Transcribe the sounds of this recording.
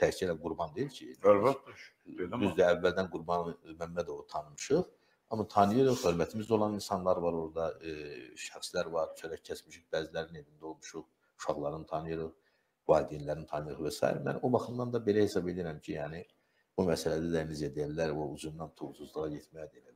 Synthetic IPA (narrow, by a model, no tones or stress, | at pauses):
t̪ʰæcʰilæɡuɾbɑnd̪ejiɾcʰi | d̪yzd̪æːvːæld̪ænɡuɾbɑnmæmːæd̪o̞vut̪ʰɑnɯmɯʃɯʁ | ɑmɑt̪ʰɑnɯjɯɾɯχhø̞ɾmæt̪ʰimizo̞lˠɑninsɑnlˠɑɾvɑɾo̞ɾd̪ɑ | ʃæχslæɾvɑɾt͡ʃʰøɾæccʰːæt͡ʃmiʃiχbæːzilæɾined̪ind̪æo̞lˠmuʃu | uʃɑɣlˠɑɾɯnt̪ʰɑnɯjɯɾɯχ | vɑːlid̪inlæɾint̪ʰɑnɯjɯɾɯʁvæsɑ̰ːḭɾmæ̰no̞bɑχɯmd̪ɑnd̪ɑbe̞læhe̞sɑbe̞liiɾæmcʰijæːni | b̥umæsælæd̪æd̪ænizjæd̪ijæbilæɾoud͡ʒumd̪ɑnt̪ʰuɣusuzlˠɯʁɑɟet̪mæjæd̪elæ